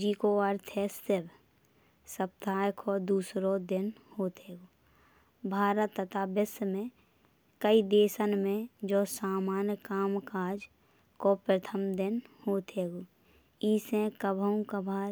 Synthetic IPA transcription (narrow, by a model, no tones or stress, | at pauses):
d͡ʒiːkoəɾt̪ʰest̪eb | səp̚t̪aːjkʰod̪uːsɾod̪ɪnhoːt̪ʰeːɡoː | bʱaːɾət̪ːət̪aːbəsmẽ | kəid̪eːsənmẽd͡ʒoːsaːmaːnjəkaːmkaːd͡ʒ | kopɾət̪ʰəmd̪ɪnhoːt̪ʰeːɡo | iːsẽkəbʱəũkəbʱaː